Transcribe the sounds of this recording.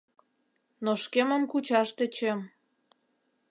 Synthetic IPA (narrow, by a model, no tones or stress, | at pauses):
noʃkemə̆mkut͡ɕɑʃt̪ĕt͡ɕem